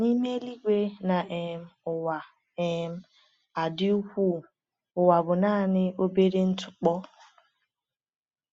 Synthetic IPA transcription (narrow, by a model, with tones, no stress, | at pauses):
ni˦me˦li˦ɡʷe˦na˨ʔe˨m̩˦ʊ˨wa˨ | e˨m̩˦ | a˨dɪ˦u˦kʷu˦˨ | ʊ˨wa˨bʊ˨naː˦˨nɪ˦o˦be˦ɾe˦n̩˦tʰʊ̥˨k͡pɔ˦